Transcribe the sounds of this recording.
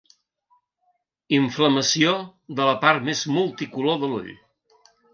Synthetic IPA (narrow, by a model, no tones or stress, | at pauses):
iɱfləməsioðələpaɾt̪mezmulˠt̪ikuloðəlṵʎ